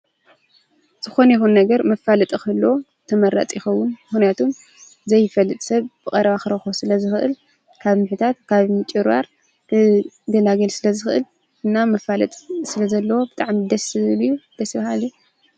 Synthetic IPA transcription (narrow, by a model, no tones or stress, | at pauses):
z̥ɨxo̞nɐjixunːɐɡɐɾmɐfalɐt̪ʼixɐlːo | t̪ʰɐmɐɾːa̰t͡sʼjɪxɐwːunmɨxnijat̪ʰum | zɐjfɐlːɨt̪ʼsɐβb̥ɨkʼɐɾɐβaxɨɾɐxosɨlɐzɨxɨʔɨ̰l | kʰaβmɨħɨt̪ʰat̪kʰaβmɨt͡ʃʼɨɾβa̰ɾ | kʰɨ | ɡ̪ɐlaɡɐlsɨlɐzɨxɨʔɨl | ɨnːamɐfalɐt̪ʼsɨlɐzɐlːɐwo̞bɨt̪ʼaʕmid̪ɐsɨljud̪̥ɐsɨβahalju